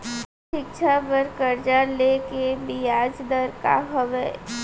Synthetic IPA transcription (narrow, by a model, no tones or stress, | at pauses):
ʃɪkʃʰapəɾkəɾd͡ʒalekebiaːd͡ʒd̪əɾka̰ɦəʋɛː